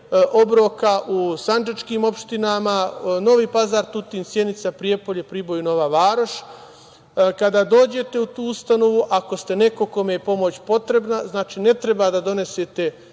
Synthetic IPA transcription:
ʔo̞bɾo̞ːkaʔusand͡ʒat͡ʃkiːmo̞pʃt̪inamano̞ʋiːpazaːɾt̪ut̪iːnsjenit̪sapɾije̞po̞ʎepɾibo̞juno̞ʋaʋaːɾoʃ | kad̪aːd̪o̞ːd͡ʑe̞t̪e̞ut̪uːust̪ano̞ʋuʔako̞st̪e̞ne̞ko̞ko̞mejepo̞mo̞t͡ɕpo̞t̪ɾe̞bnaznaːt͡ʃiːne̞t̪ɾe̞bad̪ad̪o̞ne̞set̪e̞

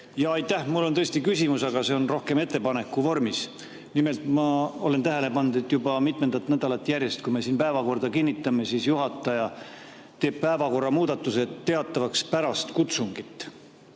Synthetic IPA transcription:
jɑɑjt̪ˑːæhmulːo̞nt̪ɤ̞est̪ikysʲimusɑɡ̥ɑse̞o̞nro̞hke̞me̞t̪ːe̞pɑne̞kːˑuvo̞rmis | nime̞lt̪ˑmɑo̞le̞nt̪æɦe̞le̞pɑnd̪et̪ːˑjubɑmit̪me̞nd̪̥ɑt̪ːnæd̪̥ɑlɑt̪ːˑjærjest̪̚kujmesiːnpæevɑko̞rd̪ɑkinʲːit̪ːˑɑme̞sisjuɦɑt̪ːˑɑjɑ | t̪e̞ːb̥̚pæevɑko̞rːɑmuːd̪̥ɑt̪ːˑuse̞tːe̞ɑt̪ˑːɑvɑkspæɾɑst̪kut̪suŋɡ̥it̪ːˑ

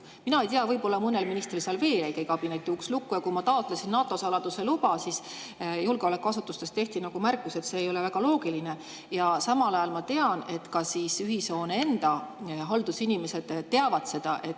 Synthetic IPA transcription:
minɑejt̪eɑvɤjbo̞lːɑmunːelminist̪rilseɑlve̞ːlejkejkɑb̥inet̪ːiukslukːˑujɑkumɑt̪ɑot̪ˑlesinnːɑːt̪ːˑo̞sɑlɑd̪̥use̞lubɑsis | julɡ̥eo̞le̞kːˑuɑsut̪ːˑust̪e̞st̪e̞ht̪inɑɡ̥umærkːˑuse̞t̪se̞ːjo̞le̞væɡ̥ɑlo̞ːɡiline̞ | jɑsɑmɑlɑjɑlmɑt̪e̞ɑne̞t̪kɑsiːsyɦiso̞ːnee̞nd̪̥ɑɦɑld̪̥usinime̞se̞d̪̥t̪e̞ɑvɑd̪̥se̞d̪̥ɑʔe̞t̪ː

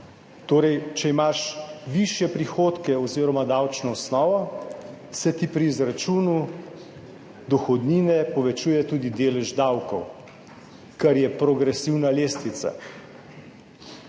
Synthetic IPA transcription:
t̪oːɾɛjt͡ʃɛimaʃʋiʃjɛpɾixoːt̪kɛɔziːɾɔmad̪awt͡ʃnɔɔsnɔːʋɔ | sɛt̪ipɾiːzɾat͡ʃuːnu | d̪ɔxɔd̪niːnɛpɔʋɛt͡ʃuːjɛt̪uːd̪id̪eːlɛʒd̪awkɔw | kaɾjɛpɾɔɡɾɛsiwnaleːst̪nit̪sa̰

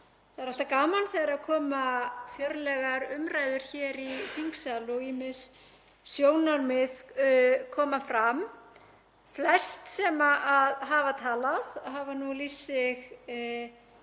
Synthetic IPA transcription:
θaðɛɾah̪lt̪akaːmanθejaɾaðkʰɔːmafjœɾlɛɣaɾʏmɾaːjðʏɾ̥çɛɾifiŋksaːlʏɔɣiːmɪs | sjoːwnaɾmɪðkʰɔːmafɾam | flɛst̪sɛmaʔaðɦaːvat̪ʰaːlaðɦaːvanulisːɪɣ

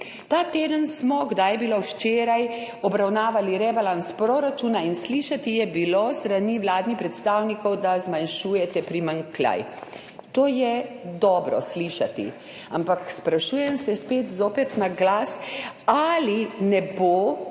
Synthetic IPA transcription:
t̪aːt̪eːd̪ənsmɔɡd̪ajɛbiloʃt͡ʃeːɾaj | ɔbɾawnaːʋaliɾɛbalanspɾoːɾat͡ʃuːnainsliːʃat̪ijɛbilost̪ɾaniːʋlaːd̪nixpɾɛt̪st̪aːwnikɔwd̪azmanʃuːjɛt̪ɛpɾimaŋkla̰j | t̪oːjɛd̪ɔːbɾɔ̰sliːʃa̰t̪ḭ | ampakspɾaʃuːjɛmsɛspeːt̪zoːpɛt̪naɡlaːsalinɛboː

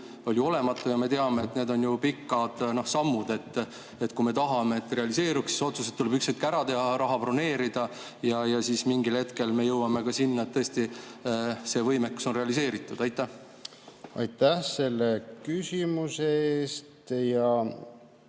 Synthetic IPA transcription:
o̞ljuo̞le̞mɑt̪ːˑujɑme̞t̪eɑme̞ːt̪ːne̞ːd̪o̞njupikːˑɑd̪̥no̞hsɑmːud̪e̞t̪ː | et̪ːˑkume̞t̪ɑɦɑme̞et̪ːre̞ɑlise̞ːɾuksi̥so̞t̪suset̪t̪ːule̞bykset̪̚kæɾɑt̪e̞ɦɑɾɑɦɑprone̞ːɾid̪̥ɑ | jɑjɑsiːsmiŋɡilhe̞t̪ke̞lme̞jɤwɑme̞kɑsinːɑet̪ːɤesʲt̪i | se̞ːvɤjmekːu̥so̞nre̞ɑlis̬e̞ːɾit̪ːˑud̪̥ɑjt̪ːˑæh | ɑ̰jt̪æhse̞lːekysʲimuseeːst̪jɑ

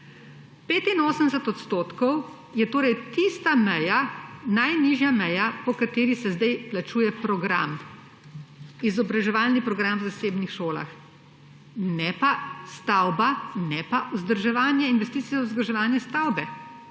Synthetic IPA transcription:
peːt̪inoːsənd̪ɛsɛt̪ɔt̪st̪oːt̪kɔw | jɛt̪oːɾɛjt̪ist̪amɛjanajniʒjamɛjapɔkat̪eːɾisɛzd̪ɛjplat͡ʃuːjɛpɾɔɡɾa̰m | izɔbɾaʒɛʋalnipɾɔɡɾamwzaseːbnixʃoːla̰x | nɛpast̪awbanɛpaʔuzd̪əɾʒɛʋaːnjɛinʋɛst̪iːsijauzd̪ɾʒɛʋaːnjɛst̪awbɛ

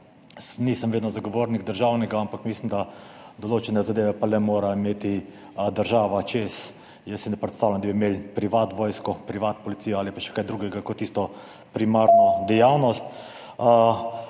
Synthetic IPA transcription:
niːsəmʋeːd̪nɔzaɡɔʋoɾniɡd̪əɾʒawnɛɡaampakmislimd̪ad̪ɔloːt͡ʃɛnɛzad̪eːʋɛpalɛmoːɾaimeːt̪i | d̪əɾʒaːʋat͡ʃes | jəsːinɛpɾɛt̪st̪aːwlʲand̪abimelpɾiʋaːt̪ʋɔːjskɔpɾiʋat̪pɔlit̪sijɔaːlipaʃɛ̥kajd̪ɾuːɡɛɡakɔt̪ːist̪ɔ | pɾimaːɾnɔd̪ɛjawnɔst̪

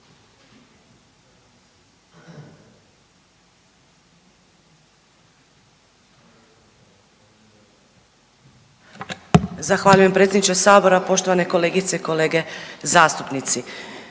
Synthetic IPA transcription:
zaxʋaːʎujempɾet̪ʲed̪nit͡ʃesaːbo̞ɾapo̞ʃt̪o̞ʋane̞ko̞leːɡit̪se̞iko̞le̞ːɡe̞zaːst̪upnit̪si

